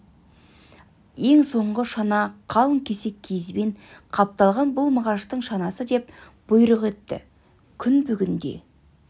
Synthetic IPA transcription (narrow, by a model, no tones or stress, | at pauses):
je̞ŋso̞ɴʁəʃɑnɑqʰɑlˠəŋkʲʰe̞se̞kʲʰezɪbe̞ɴqʰɑp̚t̪ɑlˠʁɑnbʊlˠmɑʁɑʃt̪əɴʃɑnɑsəd̪e̞p̚ | b̥ʊjɾəqe̞t̪ːɪ̰ | kʲʰʏnbʏɡʲɪnd̪e̞̰